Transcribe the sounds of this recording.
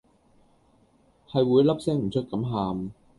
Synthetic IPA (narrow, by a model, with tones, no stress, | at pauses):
hɐ˨jwuː˨˧˥jlɐ˥p̚sɛː˥ŋm̩˨˩t͡ʃʰɵ˥t̚kɐ˨˥mɦaː˨m